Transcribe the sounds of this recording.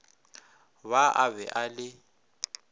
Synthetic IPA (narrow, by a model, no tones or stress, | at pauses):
βaʔaβɛʔalɪ